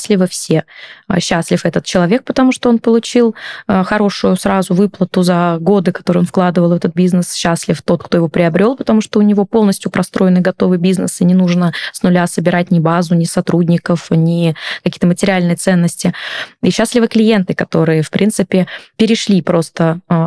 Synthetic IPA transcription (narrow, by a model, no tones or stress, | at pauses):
sʲlʲɪvəfsʲe̞ə̰ɕːasʲlʲɪfɛt̪ət̪̚t͡ɕɪlˠɐvʲe̞k̚pə̥t̪ɐmuʂt̪oo̞npəlˠʊt͡ɕilˠəxɐɾo̞ʂʊjʊsɾazʊvɨplˠət̪ʊzɐɡo̞d̪ɨkɐt̪o̞ɾɨo̞nfklˠad̪ɨvəlˠvɛt̪ət̪̚bʲiznɨsɕːasʲlʲɪft̪o̞t̪̚kt̪o̞ɪvo̞pɾʲɪɐbɾʲo̞lˠpət̪ɐmuʂt̪oʊnʲɪvo̞po̞lˠnəsʲtʲjʊpɾɐst̪ɾo̞jɪnɨɡɐt̪o̞vɨbʲiznəsɨnʲɪnuʐnəsnʊlʲasəbʲɪɾat̚ʲnʲɪbazʊnʲɪsɐt̪ɾudʲnʲɪkəfnʲɪkɐkʲijət̪əmətʲɪɾʲɪalʲnɨjət̪sɛnːəsʲtʲɪiɕːasʲlʲɪvɨklʲɪje̞nt̪ɨkɐt̪o̞ɾɨjəfpɾʲint̪sɨpʲɪpʲɪɾʲɪʂlʲipɾo̞st̪ə